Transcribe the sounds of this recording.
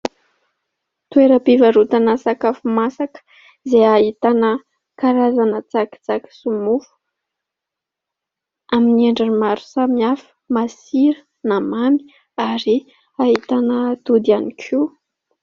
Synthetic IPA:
t̪ueɾəpivaɾut̪anasakafumasakə̥ | zeait̪anə | kaɾazanət͡saki̥t͡saki̥sumufu̥ | aminieɳɖ͡ʐanimaɾu̥samiafə̥masiɾə | namami̥ | aɾi | aɦit̪anət̪ud̪ianikʰi

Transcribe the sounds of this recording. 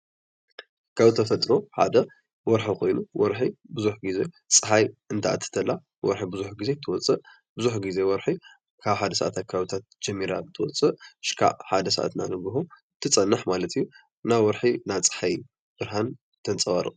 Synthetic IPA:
kʰaβt̪ʰːɐfɐt̪ʼɾoħa̰d̪ɐ | wɔɾħikʰo̞jnuwɔɾħibɨzuħɡize̞ | t͡sʼɨħajɨnt̪ʰaʔa̰t̪ʰːɨ̥t̪ʰɐlːa | wɔ̰ɾħibɨzuħɡize̞t̪ʰɨwɔt͡sʼɨʔ | bɨzuħɡize̞wɔɾħi | kʰaβħad̪ɐsɐʔat̪ʰakʰawit̪ʰat̪̚d͡ʒɛmːiɾaɨt̪ʰɨwɔ̰t͡sʼɨʔɨʃkʰa̰ʔħad̪ɐsɐ̰ʔa̰t̪na̰nɨɡɨɦo | t̪ʰːɨt͡sʼɐnːɨħmalɐt̪ʰijːu | nawɔɾħinat͡sʼɨ̥ħaj | b̥ɨɾɦan | t̪ʰɐnt͡sʼɐβaɾɨ̰

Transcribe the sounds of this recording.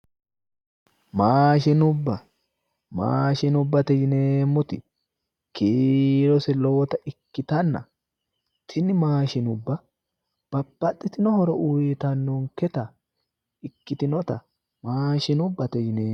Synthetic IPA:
maːʃɪnʊbːɐ | ma̰ːʃɪnʊbːɐt̪ɛd͡ʒɪneːmːʊt̪ɪ | kiːɾɔsɛloːt̪ɐʔɪkːɪt̪ɐnːɐ̰ | t̪ʰɪnːɪmaːʃɪnʊbːɐ | b̥ɐbːɐt̪ʼːɪt̪ɪnɔhɔɾɔʔuːjet̪ɐnːoːŋkɛt̪ɐ | ɪkːɪt̪ɪnɔt̪ɐ | maːʃɪnʊbːɐt̪ɛd͡ʒneː

